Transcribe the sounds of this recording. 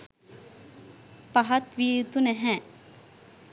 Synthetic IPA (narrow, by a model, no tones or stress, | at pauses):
pɐɦɐt̪ʋiːt̪unɛɦɛ̃